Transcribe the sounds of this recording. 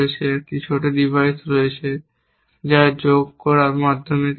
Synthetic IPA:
et͡ɕʰekioʈaɖibʱajsɾoet͡ɕʰe | d͡ʑad͡ʑoɡkɔɾaɾmad̪ʱːomek

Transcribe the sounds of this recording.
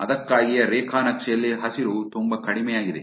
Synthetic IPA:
ɐðɐkːaːɣɪjɐɾeːkʰaːnɐkʂeːlːeɦɐsɪɾut̪ʊmbɐkɐɽɪmɐjaːɣɪðe

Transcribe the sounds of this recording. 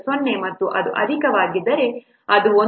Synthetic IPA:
sonːemɐt̪ːuʔɐd̪uʔɐ̰d̪ʱikɐʋaːɡid̪ːɐɾe̞ | ɐd̪uo

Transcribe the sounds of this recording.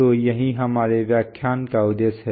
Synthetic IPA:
ojɐɦĩɦɐmaːɾeʋjaːkʰːjaːnkaʊd̪eːsɦɛ

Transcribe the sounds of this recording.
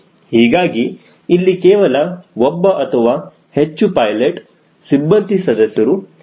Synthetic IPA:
hiːɡaːɡiː | lːikeːʋɐlɐɔbːɐʔɐt̪ʰɐʋaː | het͡ʃːupɐjleʈ | sibːɐnt̪isɐd̪ɐsjɐɾu

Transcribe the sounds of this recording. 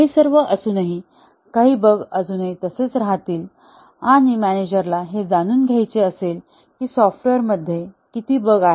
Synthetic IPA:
aɦiːsəɾʋəʔəsuːnaɦi | kaɦiːbəɡəsuːnəɦit̪əset͡sɾaɦat̪iːl | aɽ̃imæñed͡ʑəɾlaɦed͡zañuːnɡʱajt͡seəsel | kiːsɔfʈeɾməd̪ʱːjekit̪iːbəɡaɦe

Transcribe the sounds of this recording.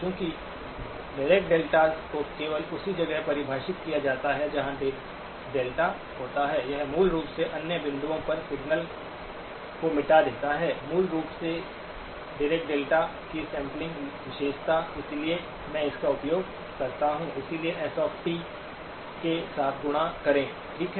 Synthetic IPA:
kjõːki | ɖɪɾeːk̚ʈ̚ɖeːlʈakokeːʋəlʊsid͡ʒɐɡəɦpɐɾɪbʱaːʃɪt̪̚kijad͡ʒaːt̪aɦɛd͡ʒɐɦãɖe | ɖeːlʈa | ɦoːt̪aɦɛːjɐɦmuːlɾuːpseʔɐnjəbɪ̃nd̪uõpɐɾsɪɡnəl | komɪʈad̪eːt̪aɦɛːmuːlɾuːpse | ɖɪɾeːkʈ̚ɖeːlʈakisɛ̃ːmplɪ̃ŋɡʋɪʃeːʃt̪ʰaɪslie | mɛ̃ɪskaʊpjoːɡ | kɐɾt̪aɦũɪsilieʔɛsɔːfʈi | kesaːt̪ʰɡʊɽ̃akɐɾẽː | ʈʰiːkɦɛ

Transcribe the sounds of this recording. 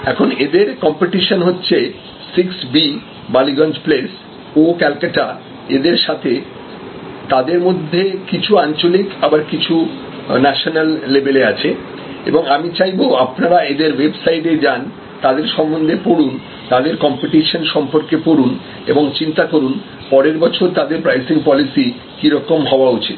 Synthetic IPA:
ɛkʰoned̪eɾkɔmpeʈiʃonɦotːɕʰe | siksbi | baliɡɔnd͡ʑples | okɛlkaʈa | ed̪eɾʃat̪ʰe | t̪ad̪eɾmod̪ʱːekit͡ɕʰuant͡ɕolikabaɾkit͡ɕʰu | nɛʃonalːebeleat͡ɕʰe | ḛboŋamit͡ɕajboapnaɾaed̪eɾwebsaiʈed͡ʑan | t̪ad̪eɾʃɔmbond̪ʱepoɽun | t̪ad̪eɾkɔmpiʈiʃonʃɔmpoɾkepoɽun | eboŋt͡ɕint̪akoɾun | pɔɾeɾbɔt͡ɕʰoɾt̪ad̪eɾpɾajsiŋpɔlisi | kiɾɔkomɦɔoaot͡ɕʰit̪

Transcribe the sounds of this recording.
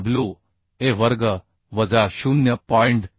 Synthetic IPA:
blu | eʋəɾɡə | ʋəd͡zaɕunjəpɔɳɖ

